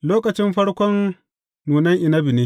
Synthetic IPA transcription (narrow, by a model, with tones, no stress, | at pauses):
loː˦kɐ˨t͡ʃɪ˦mɸɐ˦ɽkʷɔ˦nː | uː˨nɐ˦ŋʔɪ˨nɐ˦bɪ˨neː˦